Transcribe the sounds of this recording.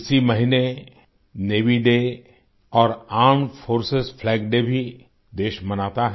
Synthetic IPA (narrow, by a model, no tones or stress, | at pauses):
ɪsimɐɦine | neːʋiɖe | ɔːɾaːɾmfoːɾsɪsfʰlɛːɡɖebʱi | d̪eːʃmɐnaːt̪aɦɛ